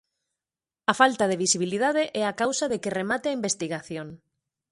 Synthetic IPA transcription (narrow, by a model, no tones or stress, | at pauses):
ɐfalt̪aðeβ̞isiβ̞iliðaðeʔɛakawsaðekɪremat̪ɪaimbest̪iɣaθjoŋ